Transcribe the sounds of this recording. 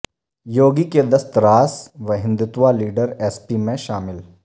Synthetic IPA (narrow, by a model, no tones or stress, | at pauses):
joːɡiked̪ɐst̪ɾaːsʋɐɦɪ̃nd̪ɪt̪ʋaliːɖəɾɛːspimẽʃaːmɪl